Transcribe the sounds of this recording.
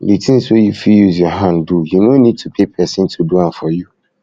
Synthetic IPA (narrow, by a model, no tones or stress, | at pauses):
litʰĩn̩sojufijuzjɔɦãndujunõnĩd̚tʰupʰepʰɛsɪ̃ntʰuduãnfɔju